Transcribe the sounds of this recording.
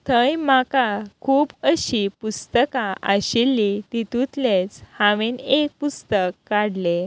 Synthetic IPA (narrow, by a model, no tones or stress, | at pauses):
t̪ʰəjmakakʰuːbəɕipust̪əkaʔəɕilːit̪it̪ut̪let͡shaʋenek̚pust̪əkːaɽle